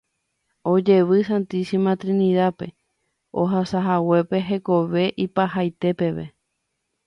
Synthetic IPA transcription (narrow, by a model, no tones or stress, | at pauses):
o̞d͡ʒe̞ʋɨsant̪isimãt̪ɾinĩðape̞ | o̰ɦasaɦawe̞pe̞ɦe̞ko̞ʋe̞ʔipahajt̪e̞pe̞ʋe̞̰